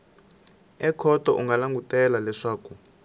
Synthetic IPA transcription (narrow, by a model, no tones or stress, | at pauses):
ɛkʰɔtɔʔuŋɡalaŋɡutɛlalɛʂaːku